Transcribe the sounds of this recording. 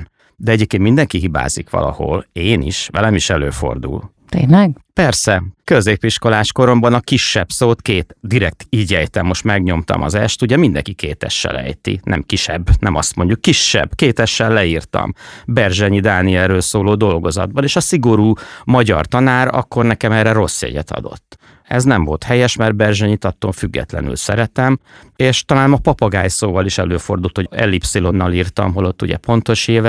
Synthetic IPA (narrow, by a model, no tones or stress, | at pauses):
d̪ɛɛɟeːp̚kenmind̪ɛŋkiɦiba̰ːzikʋɒ̰lɒ̰ho̞̰leːnḭʃʋɛlɛmiʃɛløːfo̞̰rd̪ṵl | t̪ḛːnlɛɡpɛrsɛkøzeːpiʃko̞laːʃko̞ɾo̞mbɒnɒkiʃːɛpsoːt̪keːt̪d̪iɾɛk̚t̪iːɟɛjt̪ɛmːo̞ʃt̪mɛɡɲo̞mt̪ɒ̰mɒzɛʃt̪uɟɛmind̪ɛ̰ŋkikeːt̪ɛʃːɛ̰lɛ̰jt̪ḭnɛ̰mkiʃɛbːnɛmɒst̪mo̞ɲɟukːiʃːɛ̰bkeːt̪ɛʃːɛlːɛiːrt̪ɒ̰mbɛrʒɛɲid̪aːniɛlrːøːlsoːloːd̪o̞lɡo̞zɒ̰d̪̚bɒneːʃɒsiɡo̞ɾuːmɒɟɒ̰rt̪ɒnaːɾɒ̰kːo̞rnɛkɛmɛːrɛro̞sːjɛ̰ɟɛ̰t̪ʰɒ̰d̪o̞̰t̪ː | ɛznɛɱvo̞lt̪hɛjɛʃmɛrbɛrʒɛɲit̪ɒt̪ːoɱfyɡːɛ̰t̪lɛ̰ny̰lsɛ̰ɾɛt̪ɛm | eːʃt̪ɒlaːnmɒpɒpɒɡaːjsoːvɒliʃɛløːfo̞rd̪ult̪hoɛ̰lːipsilo̞nːɒliːrt̪ɒ̰mɦo̞lo̞t̪ːuɟɛ̰po̞nt̪o̞ʃeːvɛ